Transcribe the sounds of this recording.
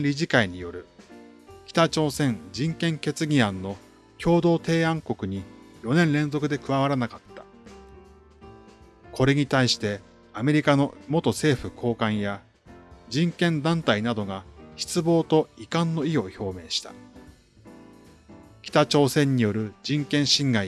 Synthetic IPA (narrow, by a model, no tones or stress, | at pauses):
ɾʲiʑikaiɲ̟ijo̞ɾɯ̟ | kʲi̥t̪at͡ɕo̞ːsẽ̞nd͡ʑĩŋkẽ̞ŋke̞t͡sɨɡʲiãnːo̞ | kʲo̞ːd̪o̞ːt̪e̞ːãŋko̞kɯ̟ɲ̟ijo̞nẽ̞nɾẽ̞nzo̞kɯ̟d̪e̞kɯ̟βaβ̞aɾanakat̪ːḁ | kʰo̞ɾe̞ɲ̟it̪aiɕi̥t̪e̞ | ame̞ɾʲikano̞mo̞t̪o̞se̞ːɸɯ̟kʰo̞ːkãɰ̃ja | d͡ʑĩŋkẽ̞nd̪ãnt̪ainad̪o̞ɡaçi̥t͡sɨbo̞ːt̪o̞ikãnːo̞io̞ço̞ːme̞ːɕi̥t̪ḁ̰ | kʲi̥t̪at͡ɕo̞ːsẽ̞ɲ̟ːijo̞ɾɯ̟d͡ʑĩŋkẽ̞ɰ̃ɕĩŋɡai